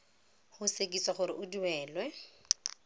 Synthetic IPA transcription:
hʊsekʼiswaχʊɾɪʔʊdiwɛːlwɛ

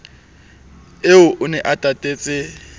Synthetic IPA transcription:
eʊʔʊnɛʔatʼatʼeːt͡sʼɪ

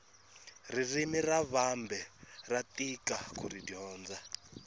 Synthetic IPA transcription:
ririmiraβambɛratʼikʼakʰuɾidiɔːnd͡za

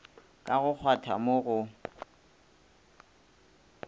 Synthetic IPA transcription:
kʼaɣʊk͡xʰwatʰamoɣʊ

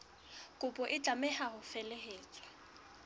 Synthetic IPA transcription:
kʼʊpʼɔʔɪt͡ɬʼamɛhahʊfɛleɦeːt͡sʼwa

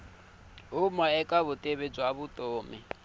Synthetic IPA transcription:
ɦʊmaɛkʼaβʊtʼeβed͡zwaβʊt̪ʼoːmɪ̰

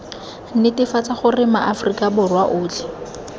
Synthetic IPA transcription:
n̩nɪtɪfat͡saχʊrɪmaʔafʊrikʼabʊrwaʔʊːt͡ɬi̥

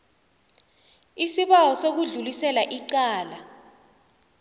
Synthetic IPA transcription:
isiɓawɔsok̬uɮulisɛlaʔiǀaːla

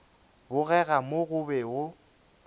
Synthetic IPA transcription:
bʊɣɛɣamoɣʊbɛʊ

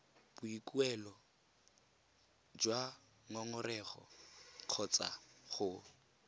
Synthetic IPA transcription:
b̥ʊikuɛlɔ | d͡ʒwa | ŋɔŋʊrɛχɔ̰q͡χʰɔt͡sa̰χʊ

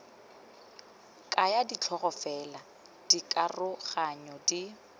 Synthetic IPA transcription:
kʼajadit͡ɬʰɔɣɔfɛla | d̥ikʼarʊχaɲɔdi

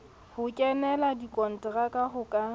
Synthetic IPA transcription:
hʊkʼɛnɛladikʼɔn̩tʼɛrakʼaɦʊkʼa

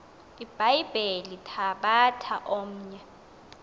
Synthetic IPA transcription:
ib̥ʱajib̥ʱelitʰaɓatʰaʔom̩ːɲɛ

